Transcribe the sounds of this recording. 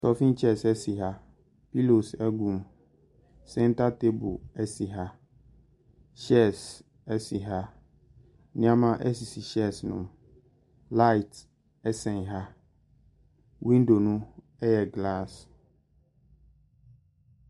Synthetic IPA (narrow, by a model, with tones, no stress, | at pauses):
sɔ˨fĩ˦n˦t͡ɕʰɛ˦˨sɛ˦si˨ɦa˦ | pi˦lo˨sɛ˦ɡũ˨m | sɛ̃˦n˦ta˦te˦bʊ̰˨ɛ˦si˨ɦa˦ | ɕɛ˦˨s | ɛ˦si˨ɦa˦ | nɪ̃˦ã˦mã˦ʔɛ˦si˨si˨ɕɛ˦˨snʊ̰̃˨m | la˦i˨t | ɛ˦sɛ̃˨nɦa˦ | wĩ˦n˦do˨nʊ̃˦ | ɛ˦jɛ˨ɡla˦˨s